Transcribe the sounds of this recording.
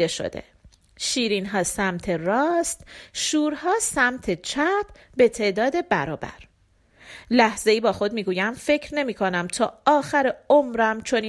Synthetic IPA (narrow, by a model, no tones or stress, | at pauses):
eʃo̰d̪ḛ | ʃiːɾiːnɦɒːsæmt̪ʰeɾɒːst̪ʃuːɾhɒːsæmt̪ʰet͡ʃʰæpʰbe̞t̪ʰe̞ːʔd̪ɒːd̪e̞bæɾɒːbæ̰ɾ | læhze̞iːbɒːxo̞d̪̚miːɡuːjæmfe̞cʰɾne̞miːkʰo̞næmt̪ʰɒːɒːxæɾeomɾæmt͡ʃʰo̞niː